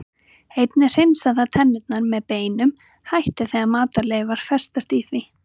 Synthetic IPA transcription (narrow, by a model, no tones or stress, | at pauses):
ejt̪nɪr̥ɪjnsaðaɾt̪ʰɛnːɪt̪̚naɾmɛðpeːjnʏm | hajht̪ɪθɛɣamaːt̪alejvaɾ̥fɛ̥st̪ast̪iθvɪ